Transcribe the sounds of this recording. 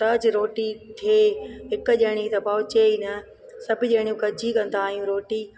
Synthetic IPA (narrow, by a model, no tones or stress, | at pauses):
t̪ɐd͡ʑɾoːʈit̪ʰeːɦɪkʄɐɦɪɽ̃it̪ɐbaːt͡ɕeːinɐ | sɐbʱiʄɐɦɪɽ̃ijũkɐd͡ʑikɐ̃n̆d̪aːijũɾoːʈi